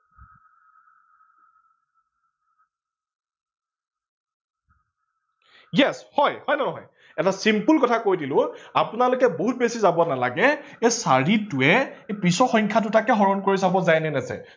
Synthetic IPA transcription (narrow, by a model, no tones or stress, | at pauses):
jɛshɔjhɔjnɛnɔɦɔ̰j | ɛtasimpulkɔtʰakojdilʊ̃apʊnalʊkɛboɦut̚besizabɔanalaɡɛesaɹitʊɛepɹisɔxɔŋkʰatʊtakɛɦɔɹɔnkoɹisabɔzajnɛnɛzɛ̰